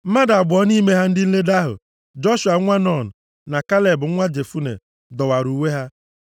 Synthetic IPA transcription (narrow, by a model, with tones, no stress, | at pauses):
m̩˦ma˦da˨bʊ˨ɔ˦ni˦me˦ɦa˦n̩˦dɪ˦n̩˦le˦da˦ɦʊ̰˨ | d͡ʒɔ˦ʃu˨a˨˦ŋʷa˦nɔ˨n̩˨ | na˨ka˦le˨bʊ˨˦ŋʷa˦d͡ʒe˨fu˦nḛ˨ | dɔ˨wa˨ɾu˨we˦ɦa˦